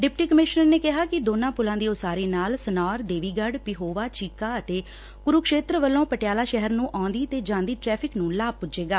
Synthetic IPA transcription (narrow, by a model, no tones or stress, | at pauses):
ɖɪpʈiːkəmɪʃnəɾneːkɪɦaːkɪd̪oːnãːpʊlãːd̪iːosaːɾeːnaːlsənaːɾd̪eːʋiːɡəɖpɪɦoːʋaːt͡ʃiːkaːət̪eː | kʊɾukʃeːt̪ɾəʋəlːõːpəʈɪjaːlaːʃɛɦəɾnũːʔãːnd̪iːt̪eːd͡ʒãːnd̪iːʈɾɛːpʰɪknũːlaːpʊd͡ʒeːɡaː